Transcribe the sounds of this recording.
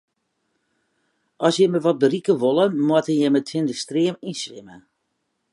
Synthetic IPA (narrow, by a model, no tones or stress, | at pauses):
ʔɔsjɛməʋɔt̚bərikəʋolˠənmwatənjɛmətʰɪndəstriəmisʋɪ̰mə